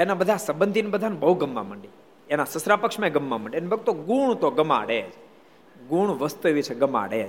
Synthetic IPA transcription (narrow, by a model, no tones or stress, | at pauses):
enabəd̪ʱasəbənd̪ʱinbəd̪ʱanbəɦuɡəmːa̰məɳɖi | enasəsɾapəkʂmãeɡəmːamə̃ɳɖienbəɡ̚t̪oɡuɳt̪oɡəma̰ɽed͡ʒ | ɡuɳ̃ʋəst̪ueʋit͡ʃʰeɡəma̰ɽed͡ʒ